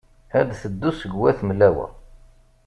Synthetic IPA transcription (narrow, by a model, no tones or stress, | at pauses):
hæd̪θəd̪ːusəɡwæθməlːæwæ̰